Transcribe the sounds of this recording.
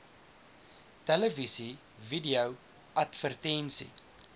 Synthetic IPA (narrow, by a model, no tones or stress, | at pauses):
tɛləvisi | vidiəw | ʔɐtfərtɛnsḭ